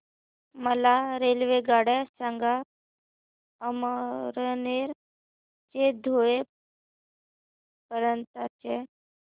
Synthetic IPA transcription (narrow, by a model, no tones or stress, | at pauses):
məlaɾelʋeɡaɽasãŋɡa | əmɾəneɾ | t͡ɕed̪ʱoe | pəɾənt̪at͡se